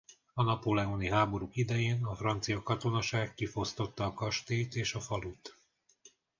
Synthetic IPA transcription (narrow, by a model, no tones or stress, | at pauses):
ɒnɒpoːlɛoniɦaːbo̞ɾukid̪ɛjeːnɒfrɒnt̪sijɒkɒt̪o̞nɒʃaːkːifo̞st̪o̞t̪ːɒːkɒʃt̪eːt̪eːʃɒfɒlut̪